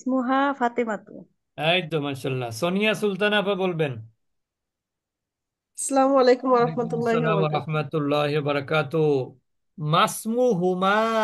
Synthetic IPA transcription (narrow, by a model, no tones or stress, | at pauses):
smuɦafat̪emat̪ṵ | ɛjd̪omanʃalːasonijasult̪̬anapabolben | ɐsɐlamuɐlejkumwɐɾɐħmɐt̪ulːaamwɐɾɐhmɐt̪ulːaːɦiwɐbɐɾɐkaːt̪o | masmuɦuma